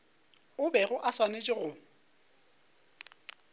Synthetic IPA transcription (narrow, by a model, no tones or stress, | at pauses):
ʊbɛɣʊʔaswanet͡ʃʼɪɣʊ